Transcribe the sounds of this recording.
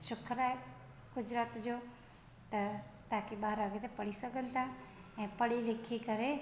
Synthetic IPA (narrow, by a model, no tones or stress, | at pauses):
ʃʊkʰəɾaːɦe | ɡ̥ʊd͡ʑɾaːt̪d͡ʑoː | t̪ɐt̪aːkiɓaːɾəɡet̪ʰepɐɽisɐɡʱənɪ̆t̪ʰa | ɛ̃ːpɐɽilekʰikɐɾe